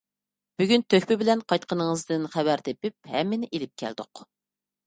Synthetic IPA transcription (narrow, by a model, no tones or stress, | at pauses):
b̥yɡʲynt̪ʰøkʲpɪbɪlɛnqʰɑjt̪qʰənəŋəzd̪ɨnχævæɾt̪epɪp̚hɛ̰mːɪnɪʔelɪp̚kʲʰæ̰ld̪ʊ̰q